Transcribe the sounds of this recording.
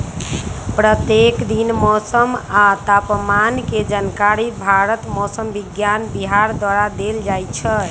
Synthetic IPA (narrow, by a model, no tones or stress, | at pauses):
pɾət̪jekd̪inmɔsəmat̪apmanked͡ʒankaɾibʱaɾət̪mɔsəmbiɡjanbiɦaɾd̪waɾad̪eld͡ʒajt͡ʃʰə